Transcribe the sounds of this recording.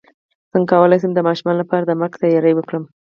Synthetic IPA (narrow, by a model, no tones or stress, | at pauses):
z̥əŋkɑwəlajs̬əmd̪əmɑʃumɑnlapɑɾad̪əmakt̪ajɑɾəjwəkɽəm